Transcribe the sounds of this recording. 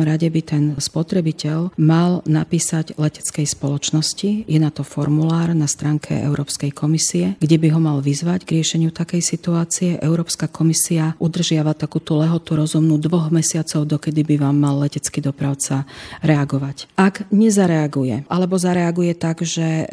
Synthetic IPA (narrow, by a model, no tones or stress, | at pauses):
mɾaɟɛbit̪ɛnspɔt̪ɾɛbicɛʎmalnapiːsaɟlɛcɛ̥t͡skɛjspɔlɔt͡ʃnɔscijɛnat̪ɔfɔɾmulaːɾnast̪ɾaːŋkʰɛ̰ɛ̰ʊɾɔːpskɛjkʰɔmisiɛɡɟɛbiɦɔmalʋizʋaɟɡɾɪɛʃɛɲɪut̪akɛjsit̪uaːt͡siɛʔɛʊɾɔːpskakʰɔmisiaʔud̪r̩ʒɪaʋat̪akuːt̪ulɛɦɔt̪uɾɔzumnud̪ʋɔɣmɛsɪat͡sɔʊd̪ɔkɛd̪ibiʋaːmːalːɛcɛt͡skid̪ɔpɾaʊt͡saɾɛaɡɔʋacʔaɡɲɛzaɾɛaɡujɛʔalɛbɔzaɾɛaɡujɛt̪aɡʒɛ